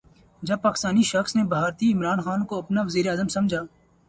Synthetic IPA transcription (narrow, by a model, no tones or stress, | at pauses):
d͡ʒəb̚paːkɪ̥st̪aːniʃəxsneːbʱaːɾt̪iɪmɾaːnxaːnkoɐpnaːʋəziːɾeaːzəmsəmd͡ʒʱaː